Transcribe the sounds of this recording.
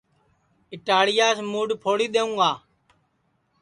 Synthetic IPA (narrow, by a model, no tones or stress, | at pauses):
ɪʈaːɽɪjaːsmuːɖpʰoːɽiːɗ̪eːũːɡaː